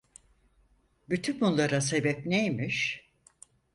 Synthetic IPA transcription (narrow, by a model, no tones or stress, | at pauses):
byt̪ʰynbunlˠaɾase̞bɛpnejmiʃ